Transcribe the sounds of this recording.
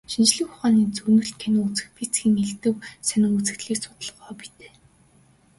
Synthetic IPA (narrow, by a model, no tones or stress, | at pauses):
ʃint͡ɕɮɘ̆kʊχaːniːt͡sɵnɵ̆ɬt̪̚kʰenɘ̆ŋut͡sɘ̆xpʰit͡sɡiːŋeɮt̪ɘ̆wsænʲɪ̆ŋut͡sɘ̆xt̪ɮiːksʊ̥t̪ə̆ɮʁɔːpi̥t̪e̥ː